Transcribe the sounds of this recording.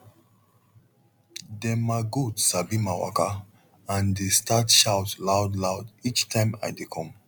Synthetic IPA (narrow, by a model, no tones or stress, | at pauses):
dɛmaɡudsabimawa̰ka | ãndestatʃawtlawdlaʊdit͡ʃtʰãɪ̃ma̰jdekʰɔ̃m